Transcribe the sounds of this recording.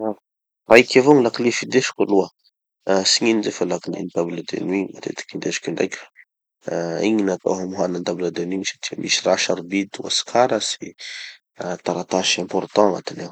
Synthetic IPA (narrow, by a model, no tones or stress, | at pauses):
a | rajkʲevoŋilaklifid̪eʃi̥kʲuluə | siɲinizefalakilḭnid̪ablad̪ḛnwiɲmat̪ḛt̪i̥kind̪eʃi̥kiɳɖ͡ʐa̰jkʲf | iɲinat̪a̰ɦamuɦanand̪abilad̪enwiɲsḁt̪ʰiə̰mʔisiraʃaɾubit̪uwa̰si̥kʰaɾasi | t̪aɾat̪aʃɛ̃mpɔrt̪ɑ̃na̰t̪inew